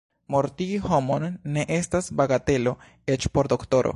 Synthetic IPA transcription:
moɾtiiho̞monːe̞ʔe̞stasbaɡate̞lo̞ | e̞t͡ʃpo̞ɾd̪o̞kto̞ɾo̰

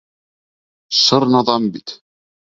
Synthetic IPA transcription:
ʃɤɾnɑðˤɑmbit̪

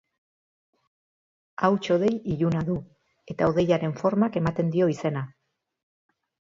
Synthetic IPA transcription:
awt͡ʃo̞ð̞e̞jiʎunaðu | e̞t̪aoðe̞jaɾe̞ɱfo̞ɾmake̞mat̪e̞nd̪io̞ise̞na

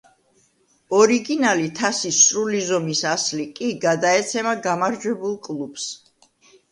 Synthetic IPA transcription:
ɔɾiɡinalit̪ʰasisɾulizɔmisaslikʼiɡad̪aɛt̪sʰɛmaɡamaɾd͡ʒwɛbulˠkʼlˠub̥s

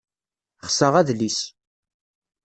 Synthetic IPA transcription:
χsəʁæðlis

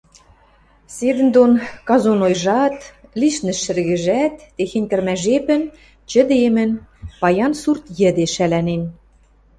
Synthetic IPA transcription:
sed̪ɘ̆nd̪onkɑzonojʒɑt̪liʃnɘ̆ʃɘ̆rɣɘ̆ʒæt̪ːexenʲkə̆rmæʒepə̆n | t͡ɕə̆d̪emɘ̆npɑjɑnsurt̪jɘ̆d̪eʃælænen

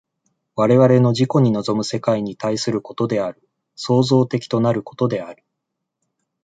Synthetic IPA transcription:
βaɾe̞βaɾe̞no̞ʑiko̞ɲ̟ino̞zo̞mɯ̟se̞kaiɲ̟it̪aisɨɾɯ̟ko̞t̪o̞d̪e̞aɾɯ̟ | so̞ːzo̞ːt̪e̞kʲi̥t̪o̞naɾɯ̟ko̞̥t̪o̞d̪e̞aɾɯ̟

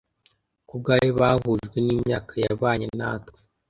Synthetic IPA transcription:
kuɡajeβaɦuʒɡweniːmɲaːkajaβaːɲena̰ːtke̥

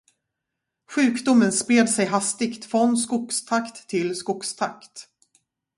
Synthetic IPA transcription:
ɧʉ̟ːkd̪ʊmənspɾeːd̪sɛjɦast̪ɪkt̪fɾɔnskʊkst̪ʰakt̪ʰːɪlskʊkst̪ʰakt̪

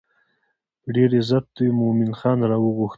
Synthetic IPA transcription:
ɖeɾezap̚d̪ujmʊmɪnxɑnɾɑwəɣuxt̪

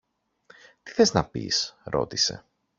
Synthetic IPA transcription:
t̪i̥θe̞znɐpḭsɾo̞̰t̪ise̞̰

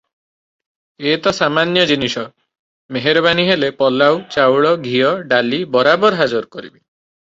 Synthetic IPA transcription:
et̪ɔsamanjɔd͡ʒinisɔ | meɦeɾɔbaniɦelepɔlawt͡ʃawɭɔɡʱijɔɖalibɔɾabɔɾɔɦad͡ʒɔɾkɔɾḭbi

